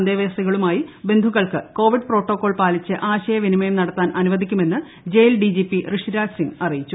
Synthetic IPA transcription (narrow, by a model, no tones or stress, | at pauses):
ɐnd̪eːʋeːsiɣɐɭumaːjibe̞nd̪ʱuɣɐɭkɨko̞ːʋiɖpro̞ːʈːokːo̞ːɭpaːlit͡ɕːɨʔaːɕɐjɐʋinimɐjɐmnɐɽɐt̪ːaːnʔɐnuʋɐd̪ikʲːume̞nːɨ | d͡ʑejlɖid͡ʑipːirɨʂiɾaːksiŋɡɐrijit͡ɕːu